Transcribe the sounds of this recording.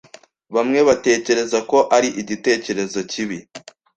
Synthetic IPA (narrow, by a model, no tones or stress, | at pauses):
βamŋe̞βate̞ːce̞ɾe̞zako̞ʔaɾiʔiɟite̞ːce̞ɾe̞zo̞ciβi